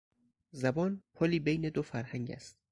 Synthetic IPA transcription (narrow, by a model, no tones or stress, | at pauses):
zæbɒːnpʰoliːbejne̞d̪ofæɾhæŋɟæ̰st̪̚